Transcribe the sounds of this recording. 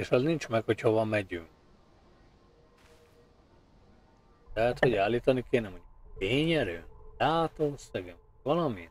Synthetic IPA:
eːʃɒznint͡ʃmɛkhochoʋɒmɛɟyŋk | lɛɦɛt̪hoɟaːlːiːt̪ɒnikeːnɛmhoɟeːɲɛɾø̰ːnd̪̥aːt̪oːøsːɛɡøm | vɒlɒmin

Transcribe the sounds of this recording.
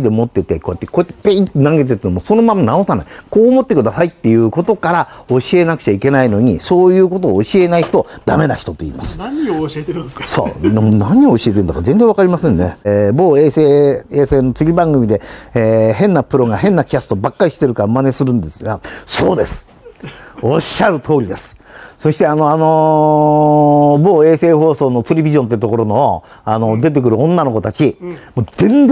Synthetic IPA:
d̪emo̞t̪ːe̞t̪e̞ko̞ːjat̪ːeko̞et̪ːepeĩt̪nãŋɡet̪̬et̪nomoso̞no̞mãmːanao̞sana̰iko̞ːmo̞t̪ːe̞kɯ̟d̪asait̪ːe̞jɯ̟ːko̞t̪o̞kaɾao̞ɕie̞nakɯ̟̥t͡ɕaike̞naino̞ɲ̟iso̞ːjɯ̟ːko̞t̪o̞ːɕie̞naiçi̥t̪o̞d̪̥ame̞naçi̥t̪o̞t̪o̞ḭːmasɨ̥ | so̰ːonaɲ̟ioːɕiet̪eɾɯnd̪akazẽ̞nd͡zẽ̞βakaɾʲimasẽ̞nːe̞̰boːeseeːse̞ːno̞t͡sɨɡʲibãŋɡɯ̟mʲid̪e̞ː | ɦẽ̞nːapɯ̟ɾo̞ɡaɦẽ̞nːakʲasɨ̥t̪obakːaɾiɕi̥t̪e̞ɾɯ̟kaaɯmane̞sɨɾɯ̟̃nd̪esɨɡasoːd̪e̞sɨ̥ | o̞ɕaɾɯ̟t̪ʰo̞ːɾʲid̪e̞sɨ̥so̞ɕi̥t̪e̞ano̞ano̞ | bo̞ːe̞ːse̞ːɦo̞ːso̞ːno̞t͡seɾʲibʲiʑõnt̪eit̪o̞ko̞ɾo̞no | ano̞d̪e̞t̪̬e̞k̬ɯ̟ɾɯ̟õ̞nːano̞ko̞t̪at͡ɕimoːd͡zẽ̞nz

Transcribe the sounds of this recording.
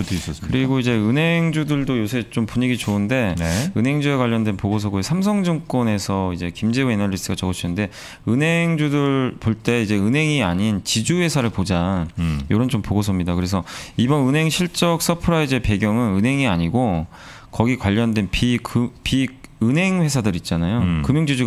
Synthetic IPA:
tois͈ʌskɯɾiɡoid͡ʑe̞ɯnɦe̞ŋd͡ʑudɯɭdojosʰe̞t͡ɕompuɲiɡit͡ɕoɯnde̞nɯnɦe̞ŋd͡ʑuekwaʎːʌndwe̞npoɡos̬ʰʌɡoesʰamsʰʌŋd͡ʑɯŋk͈wʌne̞sʰʌid͡ʑe̞kimd͡ʑeuenʌd͡ʑis͈ʰɯɡat͡ɕʌɡɯɕʰinɯnde̞ | ɯnɦe̞ŋd͡ʑudɯɭpoɭt͈e̞id͡ʑe̞ɯnɦe̞ŋiaɲint͡ɕid͡ʑuwe̞sʰaɾɯɭpod͡ʑajoɾʌnt͡ɕompoɡosʰʌmɲidakɯɾe̞s̬ʰʌibʌnɯnɦe̞ŋɕʰiɭt͡ɕ͈ʌk̚s͈ʌpʰɯɾaed͡ʑe̞pe̞ɡjʌŋɯnɯnɦe̞ŋiaɲiɡo | kʌɡikwaʎːʌndwe̞npikpiɯnɦe̞ŋɸe̞sʰadɯɾit̚t͡ɕ͈anajokɯmjʌŋd͡ʑid͡ʑu

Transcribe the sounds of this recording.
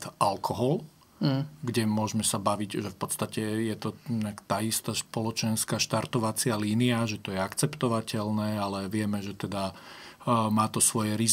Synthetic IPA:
t̪ʔalkʰɔɦɔl | ɡɟɛmʊɔʒmɛsabaʋiɟʒɛfpɔt̪st̪acɛjɛt̪ɔɲakt̪aːist̪aːspɔlɔt͡ʃɛnskaːʃt̪aɾt̪ɔʋat͡sɪaliːniaʒɛt̪ɔjɛakt͡sɛpt̪ɔʋacɛlnɛːalɛʋɪɛmɛʒɛt̪ɛd̪a | maːt̪ɔsʋɔjɛɾiz

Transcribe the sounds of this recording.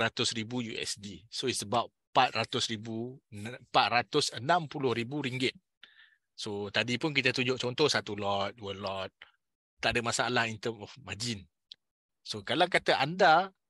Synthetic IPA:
ɾat̪ʊsribujuɛ̰sdisoisəbap | pat̪̚rat̪ʊsɾibupat̪̚rat̪ʊsənãmpulʊhɾibuɾiŋɡɪt̪̚ | sot̪adipʊnk̬it̪ət̪uɲd͡ʒʊʔ̚t͡ʃɔnt̪ɔhsat̪ulɔt̪̚duwəlɔt̪̚ː | aʔadəmasaalahint̪əmɔfmad͡ʒɪn | sokalakat̪aʔanda

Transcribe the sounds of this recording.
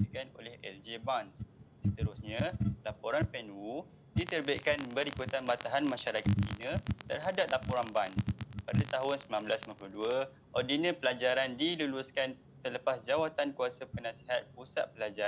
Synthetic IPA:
əkano̰lɛhɛ̰ld͡ʒebanssət̪əɾʊsɲãlapoɾanpɛnwu | dit̪ərbaiʔkanbəɾikut̪anbat̪aɦanmãʃaɾakat̪̚t͡ʃḭnə̃t̪ərɦadap̚lapoɾanbanspadat̪aɦʊnsəmlambəlasmapluduə | ʔɔrdinə̃pəlad͡ʒaɾandiluluskan | sələpasd͡ʒawat̪ankuasapənãseɦat̪̚pusa̰t̪̚pəlad͡ʒa

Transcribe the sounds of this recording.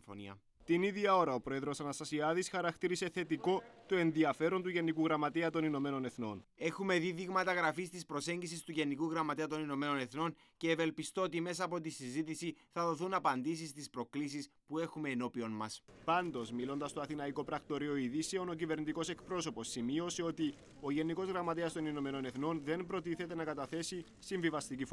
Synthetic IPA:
fo̰nḭɐ̰ | t̪iniðʝɐo̞ɾɐo̞pɾo̞e̞ðɾo̞sɐnɐst̪ɐsiɐðisxɐɾɐkt̪iɾise̞θe̞t̪iko̞t̪oe̞nðiɐfe̞ɾo̞nt̪uʝe̞nikuɣɾɐmɐt̪eɐt̪o̞nino̞me̞no̞ne̞θno̞ne̞xume̞ðiðiɣmɐt̪ɐɣɾɐfist̪ispɾo̞se̞ɲɟisist̪uʝe̞nikuɣɾɐmɐt̪eɐt̪o̞nino̞me̞no̞ne̞θno̞n | ce̞ːve̞lpist̪o̞ot̪ime̞sɐːpo̞t̪isizit̪isiθɐðo̞θunɐpɐnd̪is̬ist̪ispɾo̞klis̬ispue̞xume̞ːno̞pio̞nmɐspɐnd̪o̞zmilo̞nd̪ɐst̪oɐθinɐiko̞pɾɐkt̪o̞ɾio̞iðiseo̞no̞cive̞ɾnit̪iko̞se̞kpɾo̞so̞po̞sːimio̞se̞o̞t̪i | o̞ʝe̞niko̞zɣɾɐmɐt̪eɐst̪o̞nino̞me̞no̞ne̞θno̞nðe̞npɾo̞t̪iθe̞t̪e̞nɐkɐt̪ɐθe̞si | siɱvivɐst̪icif

